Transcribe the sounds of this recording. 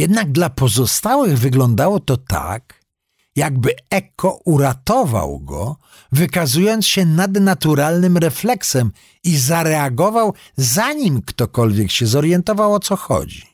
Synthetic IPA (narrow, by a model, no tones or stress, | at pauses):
jɛd̪naɡ̚d̪lapɔzɔst̪awɘɣvɘɡlɔnd̪awɔt̪ɔt̪a̰k | jaɡbɘɛkʰɔuɾat̪ɔva̰wɡɔ̰ | vɘkazujɔnt̪sɕɛnad̪nat̪uɾalnɘmɾɛflɛksɛm | izaɾɛaɡɔvaw | zaɲimkt̪ɔkɔlvʲjɛkɕɛzɔɾjɛnt̪ɔvawɔt̪sɔxɔ̰d͡ʑi